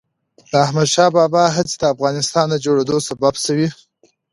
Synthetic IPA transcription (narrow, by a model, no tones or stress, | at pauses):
d̪̥əahmad̪ʃɑbɑbɑɦat͡sid̪əafɣɑnɪst̪ɑnd̪əd͡ʒoɽed̪osababsəwi